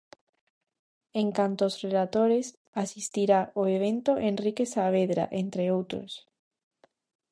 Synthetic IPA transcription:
eŋkant̪oːsrelat̪oɾes | asist̪iɾaʔoeβ̞ent̪oʔenrikesaβ̞eðɾa̰ʔent̪ɾeowt̪ɾo̰s

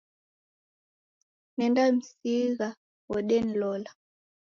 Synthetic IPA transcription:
nɛndam̩siɣa | wɔɗɛn̩lɔla

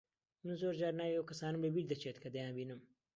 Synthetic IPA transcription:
mɨnzoːɾd͡ʒaːɾnaːjowkɐsaːnɨmlɐbiɾd̪ɐt͡ʃeːt̪kɐd̪ɐjãːbinɨm

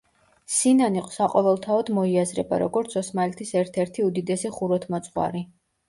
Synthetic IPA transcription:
sinaniqʼɔ̥saqʼɔvɛlˠt̪ʰaɔd̪mɔiazɾɛba̰ɾɔ̰ɡɔɾt̪sʰɔsmalɛt̪ʰisɛɾt̪ʰɛɾt̪ʰiud̪id̪ɛsiχuɾɔt̪ʰmɔt̪sʼqʼwa̰ɾi

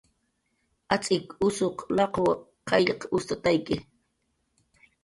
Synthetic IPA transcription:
at͡sʼɪkʊsoqlɑqow | qʰɑʎqʊst̪at̪ajkɪ

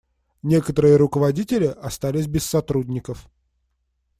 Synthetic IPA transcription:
nʲe̞kət̪əɾɨjəɾʊkəvɐdʲitʲɪlʲɪʔɐst̪alʲɪsʲbʲɪsːɐt̪ɾudʲnʲɪkəf

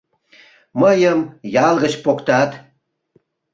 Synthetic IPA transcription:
məjəmjɑlˠʁə̆t͡ɕpokt̪ɑt̪

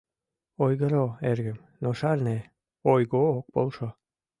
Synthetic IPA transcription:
ojɣəɾoerɣəm | noʃɑrne | ojɣook̚polʃo

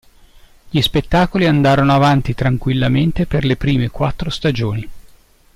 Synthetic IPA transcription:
ʎispet̪ːaːkoliand̪aːɾonoavant̪it̪ɾaŋkwilːament̪eperlepɾiːmekwat̪ːɾost̪ad͡ʒoːni

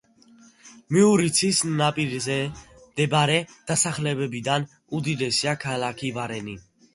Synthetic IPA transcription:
miuɾit̪sʰisnapʼiɾzɛd̪̥ɛbaɾɛd̪̥asaχlɛbɛbid̪an | ud̪id̪ɛsiakʰalakʰivaɾɛni

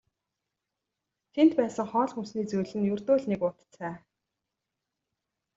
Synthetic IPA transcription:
t̪ʰent̪pæːsə̆ŋχɔːɮxumsniːt͡sujɮɘ̆njɵrt̪oːɮnekʊt̪t͡sʰæː

